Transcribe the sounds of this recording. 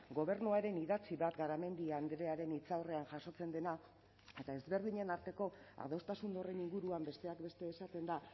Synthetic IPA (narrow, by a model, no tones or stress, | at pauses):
ɡo̞β̞e̞ɾnuaɾe̞niðat͡siβat̪ɡaɾame̞nd̪iand̪ɾe̞aɾe̞nit͡sawre̞anʝaso̞t͡se̞nd̪e̞na | e̞t̪ae̞zβe̞ɾð̞iɲe̞naɾt̪e̞ko̞a̰ð̞o̞st̪asund̪o̞re̞niŋɡuɾuambe̞st̪e̞akbe̞st̪e̞ːsat̪e̞nd̪a